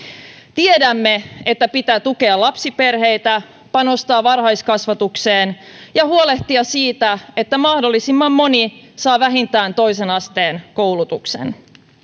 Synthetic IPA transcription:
t̪iedæmːe̞et̪ːæpit̪æːt̪uke̞ɑlɑpsipe̞rɦe̞jt̪æ | pɑno̞st̪ɑːʋɑrhɑjskɑsʋɑt̪ukseːn | jɑhuole̞ht̪iɑsiːt̪æe̞t̪ːæmɑhdolːisimːɑmːo̞nisɑːʋæɦint̪æːnt̪o̞jse̞nɑst̪eːnko̞wlut̪uksḛn

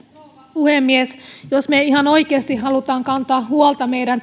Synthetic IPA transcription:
puhemːiesjosmeihɑno̞ikeːst̪ihɦɑlut̪ɑːŋkɑnt̪ɑːhuolt̪ɑmeijɾæn

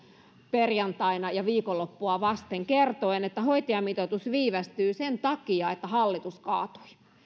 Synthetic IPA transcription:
perjɑnt̪ɑinɑjɑʋiːkolːopːuɑʋɑst̪eŋkert̪oenet̪ːæhoit̪iɑmit̪ot̪usʋiːʋæst̪yːsent̪ɑkiɑet̪ːæhɑlːit̪uskɑːt̪o̥i̥

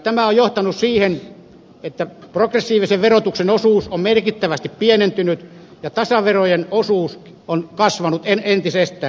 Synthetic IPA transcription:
t̪æmæojjoht̪ɑnussiːhen | et̪ːæprokresːiːʋiseʋʋerot̪uksenosuːsommerkit̪ːæʋæst̪ippienent̪ynyt̪ | jɑt̪ɑsɑʋerojenosuːs | onkɑsʋɑnut̪enent̪isest̪ˑæː

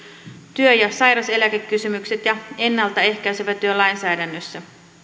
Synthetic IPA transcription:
t̪yøjɑsɑjɾɑse̞lækekːysymykse̞t̪jɑe̞nːɑlt̪ɑe̞hkæyseʋæt̪ːyølɑjnsæːdænːøsːæ

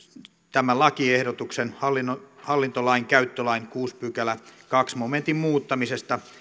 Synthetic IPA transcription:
t̪æmællɑkiehɾot̪uksenhɑlːinohɑlːint̪olɑiŋkæyt̪ːølɑinkuːspykælækɑksmoment̪immuːt̪ːɑmisest̪ɑ

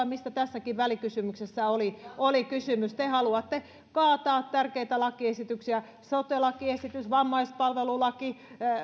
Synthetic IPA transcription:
ɑmist̪æt̪æsːækiʋʋælikysymyksesːæoliolikysymyst̪ehɑluɑt̪ːe | kɑːt̪ɑːt̪t̪ærkeit̪ælɑkiesit̪yksiæ | sot̪elɑkiesit̪ysʋɑmːɑispɑlʋelulɑki

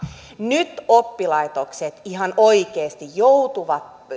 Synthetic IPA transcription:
nyt̪opːilɑit̪okset̪iɦɑnoikeːst̪ijjout̪uʋɑt̪

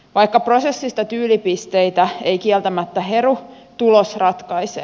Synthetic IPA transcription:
ʋɑikːɑpro̞sesːist̪ɑt̪yːlipist̪eit̪æeikiɛlt̪æmæt̪ːæɦeru | t̪ulosrɑt̪kɑise

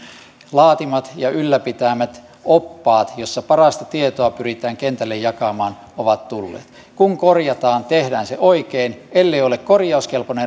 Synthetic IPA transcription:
lɑːt̪imɑt̪jɑylːæpit̪æmæt̪ | opːɑːt̪josːɑpɑrɑst̪ɑt̪iet̪oɑpyrit̪æːŋkent̪ælːejjɑkɑmɑːn | oʋɑt̪t̪ulːḛːt̪ | kuŋkorjɑt̪ɑːnt̪ehdæːnseʔoikeːnelːeiolekkorjɑuskelpone

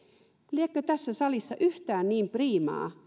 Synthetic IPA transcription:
liekːøt̪æsːæsɑlisːɑʔyht̪æːnniːmpriːmɑ̰ː

